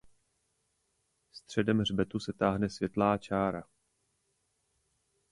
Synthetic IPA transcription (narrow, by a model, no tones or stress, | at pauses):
st̪r̝̥ɛdɛmrbɛt̪usɛt̪aːɦnɛsvjɛt̪laːt͡ʃaːɾa